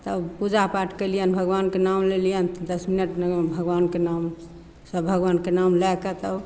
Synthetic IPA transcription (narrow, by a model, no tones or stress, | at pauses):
t̪əpud͡ʒapaʈʰkəlijənbʱəɡʋankenamlelijənt̪d̪əsminəʈnbʱəɡʋankenam | səbʱəɡʋankenamlɛkət̪əb